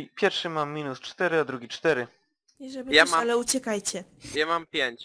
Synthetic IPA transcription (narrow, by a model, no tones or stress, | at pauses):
pʲjɛɾfʂɘmamːʲinust͡ʂt̪ɛɾɘad̪ɾuɡʲit͡ʂt̪ɛɾɘ | iʐɛbjamaalɛut͡ɕɛkajt͡ɕɛjamampʲjeɲt͡ɕ